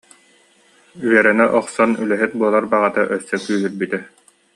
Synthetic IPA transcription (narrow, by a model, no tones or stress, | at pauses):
yɛɾɛnɛʔɔqsɔnylɛɦit̪̚buɔlˠaɾbaʁat̪aʔœsːœkyːɦyɾbyt̪ɛ